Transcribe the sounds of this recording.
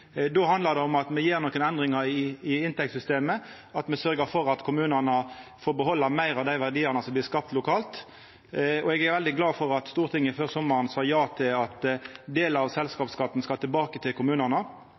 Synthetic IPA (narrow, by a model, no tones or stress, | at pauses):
d̪oːhɑnd̪ləʁd̪ɛɔmɑt̪mɛjiːʁnɔːkːənɛnd̪ʁɪŋəɾɪɪɪnt̪ɛk̚t̪sʏst̪eːmə | ɑt̪mɛsœʁɡəfɔɾɑt̪kʰʊmʉːnəʁnəfoːɾbəɦɔlːəmæɪɾɑʋd̪æɪʋæʁd̪iːɑʁnəsɔmblɪɾskɑp̚t̪lʊkʰɑːlt̪ | ɔɛɡæɾʋɛld̪ɪɡlɑːfɔʁɑt̪st̪uːʁt̪ʰɪŋːəɪføːʁsɔmːəʁənsɑjɑːt̪ʰɪlɑt̪d̪eːləɑʋsɛlskɑːpskɑt̪ːn̩skɑlt̪ʰɪlbɑːkət̪ʰɪlkʊmʉːnəʁnə